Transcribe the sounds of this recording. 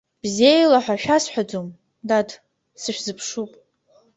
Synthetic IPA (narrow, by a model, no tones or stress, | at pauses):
b̥ziejlaħʷaʃᶣasħʷad͡zom | dad | sɨʃᶣzɨpʰʂupʼ